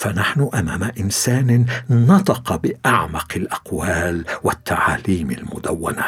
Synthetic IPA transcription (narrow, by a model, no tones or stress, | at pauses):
fanaħnʊʔamaːmaʔɪnsaːnnɑt̪ˤɑqɑbɪʔaʕmɑqɪlʔaqwaːlwɪt̪ːaʕaːliːmɪlmʊd̪awːa̰na